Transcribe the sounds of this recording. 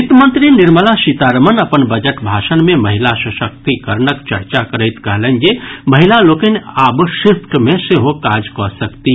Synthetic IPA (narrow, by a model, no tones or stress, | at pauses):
it̪mənt̪ɾiniɾməlasit̪aɾəmənəpənbəd͡ʒəʈbʱasənmeməɦilasəsək̚t̪ikəɾnəkt͡ʃəɾt͡ʃakəɾəɪt̪kəɦlənd͡ʒeməɦilalokənabsipʰʈʰmeseɦokad͡ʒkɔsəkt̪i